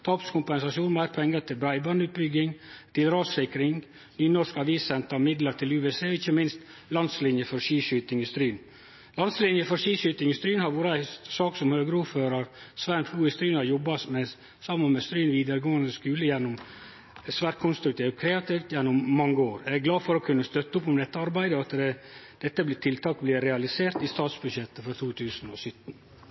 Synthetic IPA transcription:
t̪ʰɑːpskʰʊmpɛnsɑsuːnmæɪɾpʰɛŋːət̪ʰɪlbɾæɪbɑnʉːt̪̚bʏɡɪŋt̪ʰɪlɾɑːsɪkɾɪŋ | nyːnɔʂkɑʋiːsɛnt̪ɑmɪd̪ləɾt̪ɪlʉːʋɛseːɔɪçːəmɪnst̪ | lɑnslɪnjəfɔɾʂiːʃyt̪ɪŋɪst̪ɾyːn | lɑnslɪnjəfɔɾʂiːʃyt̪ɪŋɪst̪ɾyːnhɑɾʋuːɾəæɪsɑːksɔmhøːɡəɾuːɾføːɾɑɾsʋænp̪ʰluːɪst̪ɾiːnhɑɾjɔbːɑsmɛ | sɑmːənmɛst̪ɾiːnʋiːd̪əɾɡoːənd̪əskʉːləjɛnːʊm | sʋæːɾʈ̚kʰʊnst̪ɾʉk̚t̪ʰiːʋ̪kʰɾɛːɑt̪iːft̪jɛnːʊmːɑŋːəoːɾæɡlɑːfɔɾɔkʰʉnːəst̪œt̪ːəʊpɔmd̪ɛt̪ːəɑɾbæɪd̪əɑt̪d̪ɛd̪̥ɛt̪ːəblɪt̪ʰɪlt̪ʰɑːkblɪɾɛɑlɪseːɾt̪ɪst̪ɑːt̪sbʉd̪ʃɛt̪ːəfɔɾt̪ʰuːt̪ʰʉːsn̩ɔsʏt̪ːn̩

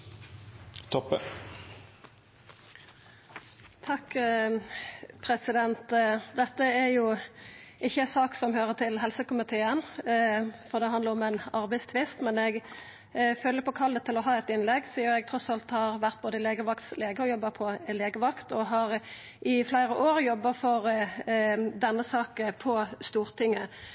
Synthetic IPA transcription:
t̪ʰɔpːə | t̪ʰɑk | pʰɾɛsɪd̪ɛnt̪d̪ɛt̪ːəæɾjʊ | ʔɪçːəsɑːksɔmhøːʁət̪ʰɪlɦɛlsəkʊmɪt̪ʰeːən | fɔʁd̪ɛɦɑnd̪əʁɔmɛnɑʁbæɪst̪ʰʋɪst̪mɛnɛɡ | føːlːəpʰɔkʰɑld̪ət̪ʰɪlɔɦɑːɛt̪ɪnlɛɡsiːəɾɛɡ̚t̪ʰɾɔsɑlt̪hɑɾʋæʁt̪̚boːd̪əɪleːɡəʋɑkt̪sleːɡəɔjɔbːɑpʰɔleːɡəʋɑkt̪ɔɦɑʁ | ʔɪflæɪɾəʔoːɾjɔbːɑfɔɾ | d̪ɛnːəsɑːkəpʰɔst̪uːʁt̪ʰɪŋːə

